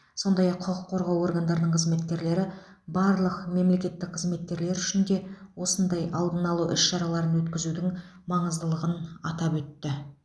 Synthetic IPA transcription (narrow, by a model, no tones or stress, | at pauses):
so̞nd̪ɑjɑqʰːʊqəqʰːo̞ɾʁɑwo̞ɾɡand̪ɑɾənəɴqʰəzme̞t̪kʲe̞ɾle̞ɾɪ | bɑɾlˠəqme̞mle̞kʲe̞t̪ːɪk̚qʰəzme̞t̪kʲe̞ɾle̞ɾʏʃɪnd̪e̞wo̞sənd̪ɑjʔɑlˠd̪ənɑlˠuʔɪʃʃɑɾɑlˠɑɾənwɵt̪kʲɪzud̪ɪŋ | mɑɴəzd̪əlˠəʁənɑt̪ɑpwɵt̪ːɪ